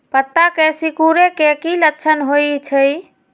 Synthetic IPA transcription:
pət̪ːakesikuɾekekilətːt͡ʃʰənɦojt͡ʃʰəj

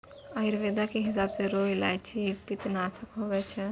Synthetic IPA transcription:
aiɾʋeːd̪akeɦɪsaːbseɾoːjla̰ːjt͡ʃʰipit̪naːt̪ʰəkɦoːʋɛt͡ʃʰ

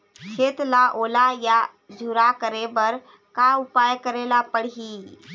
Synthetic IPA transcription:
kʰeːt̪laʔoːlaja | d͡ʒʱuɾakəɾebəɾ | kaʊpajkəɾelapəɽ̤ɦi

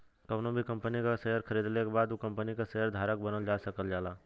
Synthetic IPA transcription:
kəʋnobʱikə̃mpənikaseɦəɾkʰəɾiːd̪lekebaːd̪ukə̃mpənikaseɦəɾd̪ʱaːɾək̚bənəld͡ʒaːsəkəld͡ʒaːlaː

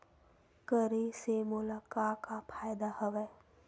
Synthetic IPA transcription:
kəɾesemoːlakaːkapʰaːjd̪ahəʋɛː

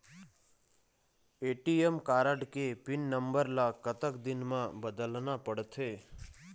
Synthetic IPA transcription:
eːʈiemkaːɾəɖkepɪnːə̃mbəɾlakət̪əkd̪ɪnmãbəd̪əlnapəɽt̪ʰeː

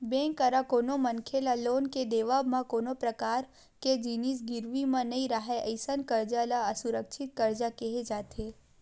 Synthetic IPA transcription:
bɛ̃ŋkəɾakoːnomənkʰelaloːnked̪eːʋabmãkoːnopɾəkaːɾ | ked͡ʒinis̬ɡɪɾʋimãnəĩɾaɦeʔəɪsənkəɾd͡ʒalaəsʊɾəkʃɪt̪̚kəɾd͡ʒakeɦed͡ʒaːt̪ʰe

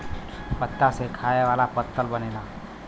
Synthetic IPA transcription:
pət̪ːasekʰajeʋalapət̪ːəlbənela

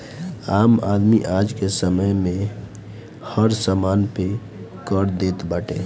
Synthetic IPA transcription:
amad̪miʔad͡ʒkesəməjmẽ | həɾsəmanpe | kəɾd̪et̪bəʈe

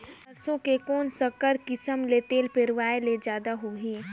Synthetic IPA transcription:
ɐɾsõkekoːnsəkəɾkɪsəmlet̪eːlpɪɾʋaːeled͡ʒjaːd̪aɦoːɦiː

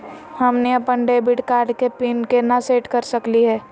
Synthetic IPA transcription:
hɐmneɐpəɳɖeːbɪʈkaːɾɖkepiːnkenɐseːʈkɐɾsɐkliɦɛː

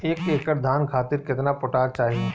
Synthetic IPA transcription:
eːkːeːkəɾd̪ʱaːnkʰaːt̪ɪɾkɪt̪napʊʈaːɾt͡ʃaːɦie

